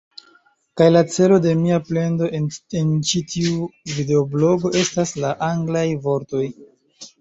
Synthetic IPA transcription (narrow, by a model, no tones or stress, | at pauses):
kajlat͡se̞lo̞de̞miaple̞ndo̞ent͡ʃitʰiuvide̞oblo̞ɡo̞ʔe̞staslaʔaŋɡlajvo̞ɾto̞j